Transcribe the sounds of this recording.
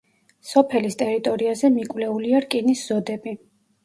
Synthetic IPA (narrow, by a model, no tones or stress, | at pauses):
sɔpʰɛlist̪ʼɛɾit̪ʼɔɾiazɛmikʼwlɛuliaɾkʼinisz̥ɔd̪ɛbi